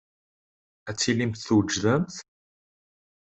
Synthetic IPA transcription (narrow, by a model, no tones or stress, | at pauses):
æt͡sːilimθθwd͡ʒðəmθ